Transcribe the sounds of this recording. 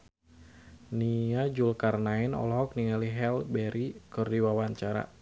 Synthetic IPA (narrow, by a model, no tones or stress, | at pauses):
niad͡ʒulkarnaɪnɔ̰lɦɔk̚niŋaliɦɛlbɛɾikɨrdiwawaɲt͡ʃaɾa̰